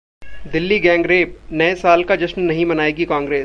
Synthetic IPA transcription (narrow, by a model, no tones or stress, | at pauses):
d̪ɪlːiɡɛ̃ːŋɡɾeːb̚nɐɛsaːlkad͡ʒɐʃmnɐɦĩmɐnaːeːɡikãːŋɡɾeːs